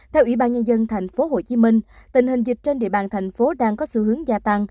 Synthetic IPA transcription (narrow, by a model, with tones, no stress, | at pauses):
t̪ʰɛ˧wʔi˧˩ɓaː˧nɲə˧nzə˧nt̪ʰa˨˩jŋ̟fo˨˦ɦo˧˨˩t͡ɕi˨˦mï˧ŋ̟t̪ï˨˩ŋ̟ɦï˨˩ŋ̟zï˨˩k̟̚t͡ɕe˧nɗḭ˧˨əɓaː˨˩nt̪ʰa˨˩jŋ̟fo˨˦ɗaː˧ŋkɔ˨˦sɨ̰˧hɨ˨˦əŋzaː˧t̪a˧ŋ